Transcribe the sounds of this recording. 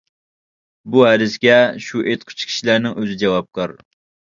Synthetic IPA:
buhæd̪ɪskʲɛʃuʔet̪qʰʊ̥t͡ʃʰkʰʲi̥ʃilæɾnɪŋøzɪd͡ʒɛwɑp̚kʰɑɾ

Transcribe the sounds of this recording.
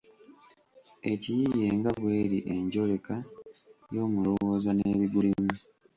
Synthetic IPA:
e̞cijije̞ːŋɡaβweːɾiʔe̞ɲɟo̞le̞ka | jo̞ːmulo̞wo̞ːzaneβiɡulimu

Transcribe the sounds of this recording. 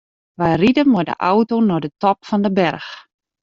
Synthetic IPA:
ʋɛjridəmʊdə̰ʔawtonɔdətɔpfɔndəbɛrx

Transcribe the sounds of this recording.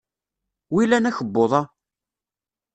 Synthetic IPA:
wilænæçəbːoðˤɑ

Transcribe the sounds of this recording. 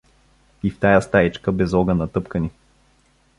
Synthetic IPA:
ift̪ajast̪ait͡ʃkəbɛzɔɡənɐt̪ɤpkəni

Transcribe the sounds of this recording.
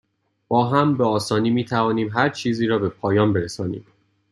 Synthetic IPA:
b̥ɒːɦæmbeɒːsɒːniːmiːt̪ʰævɒːniːmɦæɾt͡ʃʰiːziːɾɒːbe̞pʰɒːjɒːmbe̞ɾesɒːnḭːm

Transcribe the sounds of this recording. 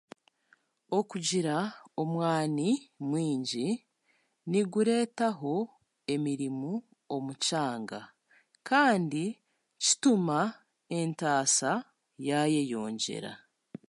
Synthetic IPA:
o̞kuɟiɾaomwaːnimwiːɲɟi | niɡuɾe̞ːtaɦo̞ | e̞miɾimu | omucaːŋɡa | kaːndi | ci̥tuma | e̞ntaːsa | jaje̞jo̞ːɲɟe̞̰ɾa̰

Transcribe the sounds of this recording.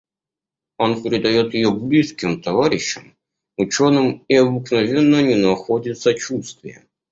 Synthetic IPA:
o̞npʲɾʲɪd̪ɐjo̞t̪jɪjoblʲiskʲɪmt̪ɐvaɾʲɪɕːɪm | ʊt͡ɕo̞nɨmɪɐbɨknɐvʲe̞nːənʲɪnɐxo̞dʲɪt̪sət͡ɕust̪vʲɪjə̰

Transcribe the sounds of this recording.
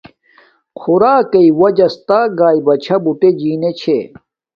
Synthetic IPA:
kʰuɾaːkɐiwɐd͡ʑɐst̪aːɡaːibɐt͡ɕʰɐbuʈed͡ʑiːnet͡ɕʰe

